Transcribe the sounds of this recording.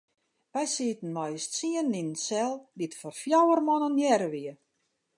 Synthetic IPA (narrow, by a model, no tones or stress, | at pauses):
ʋɛjsiːtən̩mɔjstsiəninnsɛlˠditfɔrfjawərmɔnənjɛɾəʋiə